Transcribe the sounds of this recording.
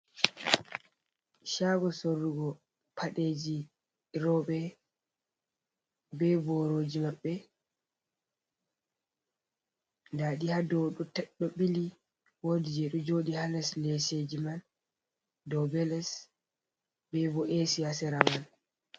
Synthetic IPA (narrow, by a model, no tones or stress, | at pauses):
ʃaːɡɔsorːuɡɔ | pʰaɗeːd͡ʒi | ɾɔɓɛ | bɛbɔɾoːd͡ʒimaɓːɛ | ndaɗihadɔwɗutɛɗːɔɓili | wodid͡ʒɛɗud͡ʒoɗihalɛslesed͡ʒiman | dɔbɛlɛs | bɛbɔʔesiasɛɾamal